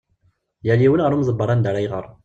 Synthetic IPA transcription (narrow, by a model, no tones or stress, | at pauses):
jæliwənʁəɾumzˤəbːəɾˤɑnd̪aɾˤæjʁə̰ɾˤ